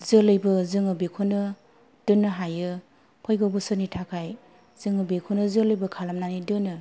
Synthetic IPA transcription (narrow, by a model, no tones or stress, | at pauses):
zɯlɯjbɯzɯŋɯbekʰonɯ | d̥ɯnːɯɦajɯ | pʰɔjɡɯwbɯsɯnitʰakʰaj | zɯŋɯbekʰonɯzɯlɯjbɯkʰalamnanidɯnɯ